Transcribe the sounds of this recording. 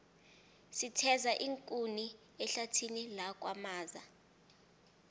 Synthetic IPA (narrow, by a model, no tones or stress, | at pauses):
sitʰɛzaʔiŋkʼuni | ɛɬatʰinilak̬ʼwa̰maːza